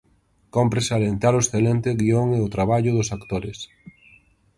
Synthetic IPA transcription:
kompɾesalent̪aɾʊesθelent̪eɣioŋeʊt̪ɾaβ̞aʎʊðʊsakt̪oɾɪs

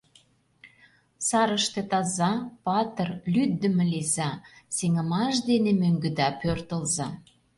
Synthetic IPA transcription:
sɑɾəʃt̪ĕt̪ɑzɑpɑt̪ərlyd̪ːə̆mĕlezɑseŋə̆mɑʃ̬d̪enemøŋɡə̆d̪ɑpørt̪ə̆lzɑ

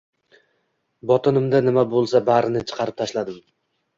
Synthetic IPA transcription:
bɒt̪ʰɪnɪmd̪anɪmabolˠsabaɾɪnɪt͡ʃʰɨ̥qʰɑɾɪp̚t̪ʰaʃlad̪ɪm

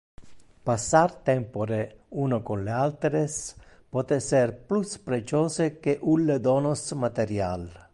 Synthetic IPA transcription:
pasaɾt̪ɛmpoɾeunokonlealt̪ɾes | pɔt̪eserpluspɾet͡ʃoːsekeʔulːed̪onosmat̪eɾja̰l

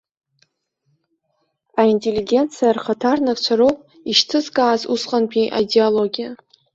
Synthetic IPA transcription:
aintʼe̞lːiɡʲe̞nt͡sʰijarχatʰarnakʼt͡ʃʷʰaɾowpʼ | iʃtʰɨzkʼaːzusqʼanpʰʼiʔa̰dealoɡʲija

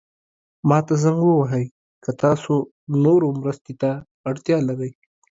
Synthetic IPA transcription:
mɑt̪azaŋɡwəwaɦəj | kat̪ɑso | noɾomɾəst̪et̪aː | ɽt̪jɑlaɾəj

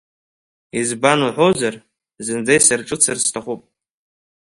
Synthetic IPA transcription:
izbanuħʷozar | zɨnd͡zajsarʈ͡ʂʼɨt͡sʰɨrstʰaχʷupʼ

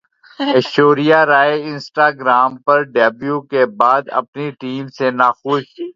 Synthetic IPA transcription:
ɛʃoːɾijaɾaːeɪ̃nsʈaːɡɾaːmpɐɾɖɛːbjuːkebaːd̪ɐ̰pniʈiːmsenaːxoːʃkiː

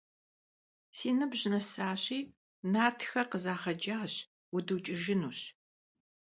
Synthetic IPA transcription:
siːnɨbʑɪnɐsaːɕiː | naːtʰxɐqəzaːχɐd͡ʒaːɕ | wʊdɨwt͡ʃʼɪʒɪnuːɕ

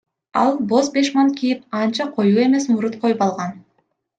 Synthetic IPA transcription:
ɑ̰lˠbo̞zbe̞ʃmɑnkʰijip̚ɑnt͡ʃɑqʰo̞juːe̞me̞smuɾut̪qʰo̞jupɑlˠʁɑn

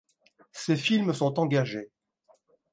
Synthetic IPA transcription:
sefilmsɔ̃t̪ɑ̃ɡaʒe

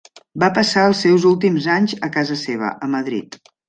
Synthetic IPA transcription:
bapəsaəlˠsɛwzulˠt̪imzaɲzəkazəseβ̞ə̰ʔəməðɾḭt̪

